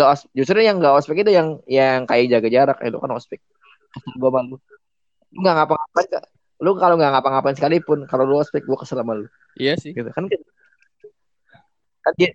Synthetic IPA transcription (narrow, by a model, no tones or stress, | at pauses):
ŋɡaʔɔsp̚d͡ʒus̬t̪ɾʊɲjaŋɡaʔɔspɪkit̪ujaŋjaŋkajad͡ʒaɡad͡ʒaɾak̚ḭlṵka̰nɔspɪk̚ː | əst̪albuamalu | luŋɡaŋapaŋapanka̰ | lukaloŋɡaŋapaŋapansəkalipʊnkaloluɔspɪk̚ɡuakəsəlamalʊ | aɡit̪ukanka | kanɡi